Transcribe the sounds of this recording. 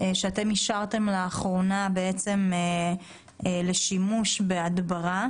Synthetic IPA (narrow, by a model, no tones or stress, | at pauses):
eʃeat̪e̞miʃaʁt̪e̞mleaχʁo̞nabe̞et͡se̞me | le̞ʃimuʃbeadbaʁa